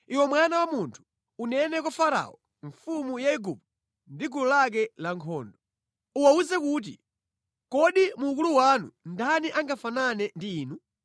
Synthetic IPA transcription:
iwɛmwanawamuntʰu̥ | unɛnɛkwɔfaɾa̰ɔ | ɱfumujaiɡupu | ndiɡululak̬ɛlaŋkʰɔːndɔ | uwauzɛkuːt̬ḭ | kɔɗimuːk̬uluwanundaniʔaŋɡafananɛndiːnu

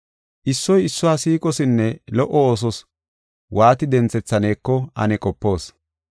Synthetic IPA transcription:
ʔɪsːɔjɪsːɔwaːsiːkʼɔsɪnːɛlɔʔɔoːs̬ɔs | wʔaːt̪ɪd̪ɛnt͡sɛt͡sːɐne̞ːkːɔɐ̰nɛkʼɔpːo̞ːs

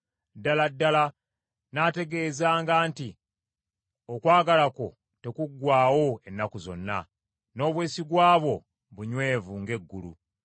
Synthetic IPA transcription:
dːaladːala | naːte̞ɡe̞ːzaːŋɡaːnti | o̞kwaːɡalako̞ | te̞kuɡːwaːwo̞e̞nːakuzo̞̰nːa̰ | no̞ːβwe̞ːsiɡwaːβo̞ | βuɲwe̞ːvuŋɡe̞ɡːulṵ

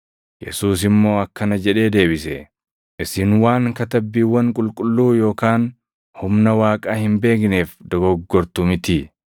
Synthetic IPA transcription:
jɛ̰suːs̬ɪmːo̞ːɐkːɐnɐd͡ʒɛᶑe̞ːd̪e̞ːbɪsɛ | ʔɪsɪnwaːŋkɐt̪ɐbːiːwːɐŋkʼʊlkʼʊlːuːjo̞ːkaːn | hʊmnɐwaːkʼaːhɪmbe̞ːk̬ne̞ːfd̪ɔɡɔɡːɔɾt̪umɪt̪ɪ

